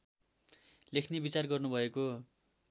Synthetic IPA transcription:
lekʰnebit͡sarɡʌrnubʱʌeko

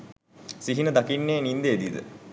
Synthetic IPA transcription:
siɦinəd̪akinːeːnind̪eed̪id̪ə̰

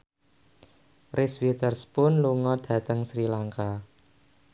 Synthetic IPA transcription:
rʔɪswit̪ərspʊnluŋɔd̪̥ä̤t̪əŋsɾilaŋka

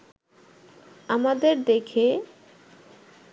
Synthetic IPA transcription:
amad̪eɾd̪ekʰe

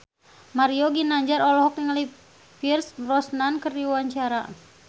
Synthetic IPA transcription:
maɾiɔɡinaɲd͡ʒaɾɔlɔɦɔk̚niŋli | pirsrɔsnankərdiwaɲt͡ʃaɾa

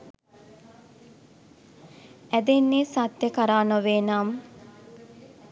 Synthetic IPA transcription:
æd̪enːeːsat̪jəkəɾaːnəʋeːnaːm

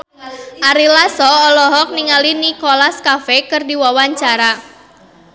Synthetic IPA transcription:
ʔaɾilasɔːlɔɦɔk̚niŋalinikolaskafekɨrdiwawaɲt͡ʃaɾa

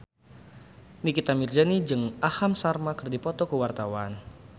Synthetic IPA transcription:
nikit̪amird͡ʒanid͡ʒɨŋahamsarmakɨrdipɔt̪ɔkəwart̪awan

